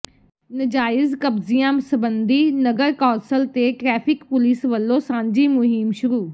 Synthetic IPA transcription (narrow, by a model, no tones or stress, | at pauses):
nəd͡ʒaːɪzkəbzɪjãːsəbənd̪iːnəɡəɾkɔ̃ːsəlt̪eːʈɾɛːpʰɪkpʊliːsʋəlːõːsãːɲd͡ʒiːmʊɦɪmʃʊɾuː